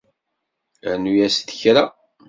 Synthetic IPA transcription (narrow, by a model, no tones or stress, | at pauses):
nujæst̪ə̥çɾa